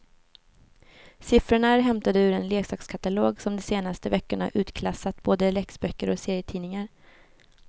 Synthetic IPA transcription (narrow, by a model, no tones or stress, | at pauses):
sɪfɾəɳaɾɦɛmt̪ad̪əʉɾɛnleːksɑːkskʰat̪aloːɡsɔmd̪ɔseːnast̪əvɛkːəɳa̰ʔʉ̟ːt̪kʰlasːat̪boːd̪əlɛksbœkːəɾɔseːɾɪjət̪ʰiːnɪŋaɾ